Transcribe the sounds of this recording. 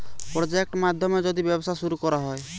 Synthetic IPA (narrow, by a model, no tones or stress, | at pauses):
pɾɔd͡ʒek̚ʈmad̪ʱjɔmed͡ʒɔd̪ibjɔbɔsʰasuɾukɔɾaɦɔe